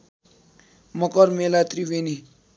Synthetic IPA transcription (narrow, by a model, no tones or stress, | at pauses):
mʌkʌɾmelat̪riweni